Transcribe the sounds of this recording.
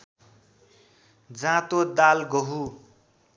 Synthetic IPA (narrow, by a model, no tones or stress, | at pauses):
d͡zãt̪od̪alɡoɦu